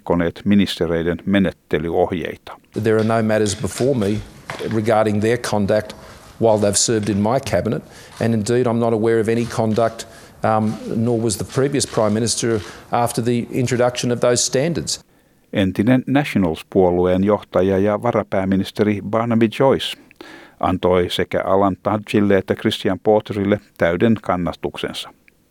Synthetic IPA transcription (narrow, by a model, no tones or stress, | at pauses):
kːoneːt̪minist̪eɾejdenmenet̪ːelyohjḛjt̪ɑ̥ðə˞ːnoʊmæɾə˞zbəfɔɹmiɹɨɡɑɹɾɪ̃ŋðə˞kʰɑ̃ndæk̚t̚ | waɪlˠðeɪv̥sɜ˞vdɨ̃nmaɪkʰæbənəɾ | ɨ̃nɨ̃ndiɾãɪ̃mnəɾəwɛɹʌvɛñikʰɑ̃ndək̚t | nɔɹwʌzðəpʰɹ̥iviɨspʰɹ̥ãɪ̃mːɪ̃nɨstə˞æftə˞ðiɪ̰̃nt͡ʃɹ̥ɨdʌkʃɨ̃nʌvðoʊz̥stæ̃ndə˞dz̥ | ʔent̪inenːæʃonɑlspuolueːnjo̞ht̪ɑjɑjɑʋɑrɑpæːmːinist̪eɾibɑːnɑbid͡ʒojs | ʔɑ̰nt̪ojse̞kæ̰ʔɑlɑnt̪ɑdt͡ʃilːeet̪ːækrist̪iɑmpoːt̪erilːet̪æydenkɑnːɑst̪ukse̞̰nsɑ̥